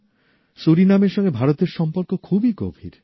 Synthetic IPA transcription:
suɾinameɾʃɔŋɡebʱaɾot̪eɾʃɔmpoɾkokʰubiko̰bʱḭɾ

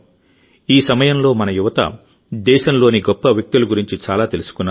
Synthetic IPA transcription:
iːsɐmɐjɐmlo̞ːmɐnɐjuʋɐt̪ɐ̰ | d̪ɛːʃɐmlo̞ːniɡɔpːɐʋjɐk̚t̪ilɐɡuɾiɲt͡ʃit͡ʃaːlaːt̪e̞lusu̥kunːa

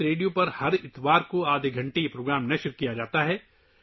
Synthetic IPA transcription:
ɾeːɖijõpɐɾhɐɾɪt̪ʋaːɾkoaːd̪ʱeɡʱɐ̃ɳʈejepɾoːɡɾaːmnɐʃɾukijad͡ʒaːt̪aɦɛː

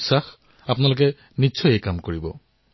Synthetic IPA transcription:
sax | ap̬ʊnalok̬ɛ | niʃʰɔjejkamkoɹibɔ

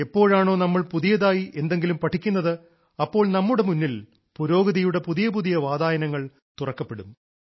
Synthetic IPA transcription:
epːo̞ːɻaːɳo̞ːnɐmːɐɭpuðijɐðaːjiʔe̞nd̪e̞ŋɡilumpɐʈʰːikʲːunːɐðɨ | ɐpːo̞ːɭnɐmːuɽe̞munːil | puɾo̞ːɡɐðijuɽe̞puðijɐpuðijɐʋaːd̪aːjɐnɐŋːɐɭ | t̪urɐkːɐpːe̞ɽum

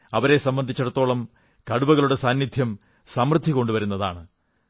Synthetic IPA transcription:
ɐʋɐɾe̞sɐmbɐnd̪ʱit͡ɕːɐɽɐt̪ːo̞ːɭɐm | kɐɽubɐɣɐɭuɽe̞saːnjid̪ʱjɐm | sɐmrɨd̪ʱːiko̞ɳɖuʋɐɾunːɐða̰ːɳɨ

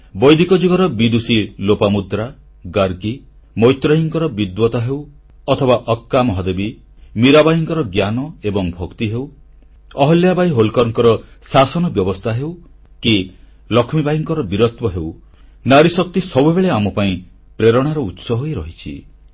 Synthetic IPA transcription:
bɔjd̪ʱikɔd͡ʒuɡɔɾɔbid̪usilopamud̪ɾa | ɡaɾɡi | mɔjt̪ɾɔɦiŋkɔɾɔbid̪wɔt̪aɦew | ɔt̪ʰɔbaʔɔkːamɔɦɔd̪ebi | miɾabajiŋkɔɾɔɡjanɔebɔŋbʱɔkt̪iɦew | ɔɦɔljabajɦolkɔɾɔŋkɔɾɔsasɔnɔbjɔbɔst̪ʰaɦew | ki | lɔkʰmibajiŋkɔɾɔbiɾɔt̪wɔɦew | naɾisɔk̚t̪isɔbubeɭeamɔpaĩ | pɾeɾɔɽ̃aɾɔut̪sɔɦojɾɔɦit͡ʃʰḭ

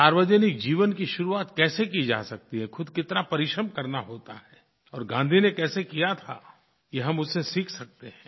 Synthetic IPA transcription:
saːɾʋəd͡ʒənɪk̚d͡ʒiːʋənkiʃʊɾuaːt̪kɛːsekid͡ʒa̰ːsɐk̚t̪iɦɛkʰʊd̪kɪt̪napɐɾɪʃɾəmkɐɾnaɦoːt̪a̰ɦɛː | ɔːɾɡãːnd̪ʱinekɛːsekijat̪ʰa̰ | kiɦɐmʊsːesiːkʰsɐk̚t̪eɦɛ̃ː

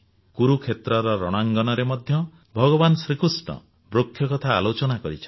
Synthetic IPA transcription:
kuɾukʰet̪ɾɔɾɔɾɔɽ̃aŋɡɔnɔɾemɔd̪ʱjɔ | bʱɔɡɔbanɔsɾikusɳɔ̰ | bɾokʰːjɔkɔt̪ʰaːlot͡ʃɔnakɔɾit͡ʃʰɔ

